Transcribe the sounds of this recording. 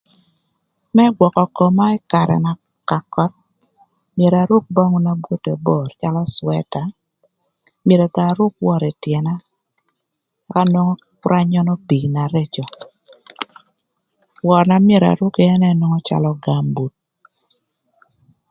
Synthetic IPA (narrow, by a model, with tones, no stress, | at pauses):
mɛ˦ɡwɔ˨kɔ˨ko˨ma˦ɛ˦ka˨ɾɛ̰˨na˨ | ka˨kɔ˦t̪̚ | mje˨ɾa˨ɾu˦k̚bɔ˦ŋu˦na˦bwo˦te˨bo˨rt͡ʃa˦lɔ˦swɛ̰˦ta˨ | me˨ɾe˨t̪a˨ɾu˦k̚wɔ˨ɾɛ˨tjɛ˨na˦ | a˨ka˦nɔ˦ŋɔ˦kɾa˦ɲɔ˦nɔ˦pi˨na˨ɾe˦t͡ʃɔ˨ | wɔ˨ɾna˨mje˦˨ɾa̰˨ɾu˦ke˦ɛ˦nɛ˦nwo˦ŋɔ˦t͡ʃa̰˨lɔ˦ɡa˨mbu˨t̚